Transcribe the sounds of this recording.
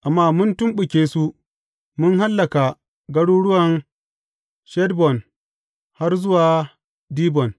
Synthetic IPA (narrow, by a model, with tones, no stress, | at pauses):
ʔa˨mːaː˦˨mʊ˦ntʊ˦mɓʊ˨kʲeː˦su˦ | mʊ˦nɦa˦lːɐ˨ka˨ | ɡɐ˦ɽuː˦ɽʊ˦wɐ˨n | ʃɛ˦dbɔ˨n | ha˦rzʊ˦waː˨ | diː˦bɔ˨n